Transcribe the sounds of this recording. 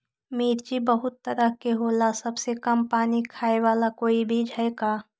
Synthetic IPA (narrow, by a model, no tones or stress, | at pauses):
miːɾd͡ʒibəɦʊt̪ːəɾəɦkeɦoːlasɐbsekɐmpaːnikʰaːeʋaːlakoːibʱid͡ʒʱɐekaː